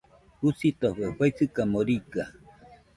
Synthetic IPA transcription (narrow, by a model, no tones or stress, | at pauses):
husit̪oɸeɸwajt͡sɨkamoɾika